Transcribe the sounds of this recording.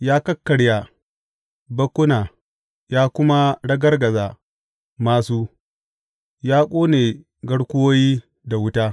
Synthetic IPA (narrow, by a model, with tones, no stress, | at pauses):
jaː˦kɐ˦kːɐ˨ɽja˨ | bɐ˦kʷːʊ˦naː˨ | jaː˦kʷʊ˦ma˦ɽɐ˦ɡɐ˦rɡɐ˨zaː˨ | maː˦suː˦ | jaː˦kʷʼoː˦neː˨ | ɡɐ˦ɽkʷʊ˦woː˦jiː˦ | da˨wʊ˦taː˦